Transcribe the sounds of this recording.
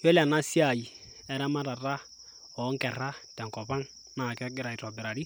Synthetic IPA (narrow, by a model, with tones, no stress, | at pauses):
jɔ˦la˨na˦si˦a˨i˨ | ɛ˨ɾa˦ma˦ɾa˨ra˦ | ɔ˨˦ŋ˦kɛ˨ɾa˦tɛ˨ŋkɔ˨βa˦ŋ | na˨kɛ˦kɪ˦ɾa˨i˨ɾɔ˨bɛ˨ɾa˨ɾi˦